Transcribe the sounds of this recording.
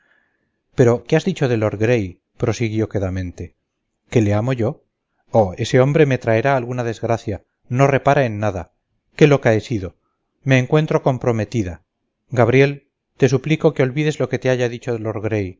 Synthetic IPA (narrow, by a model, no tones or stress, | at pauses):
pe̞ɾo̞keazðit͡ʃo̞ðe̞lo̞ɾɣɾe̞j | pɾo̞siɣjo̞keðamẽ̞nt̪e̞ | ke̞le̞amo̞ʝo̞ | oe̞se̞o̞mbɾe̞me̞t̪ɾae̞ɾaːlɣunaðe̞zɣɾaθja | no̞re̞paɾaenːaða | ke̞lo̞kaesiðo̞ | me̞ːŋkwe̞nt̪ɾo̞ko̞mpɾo̞me̞t̪iða | ɡaβ̞ɾje̞l | t̪e̞s̬upliko̞keo̞lβiðe̞zlo̞ke̞t̪e̞aʝaðit͡ʃo̞ðelo̞ɾɣɾe̞j